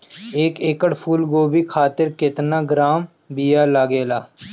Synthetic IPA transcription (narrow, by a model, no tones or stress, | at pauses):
eːkeːkəɽpʰuːlɡoːbikʰaːt̪ɪɾkɪt̪naːɡɾaːm | bijaːlaːɡeːlaː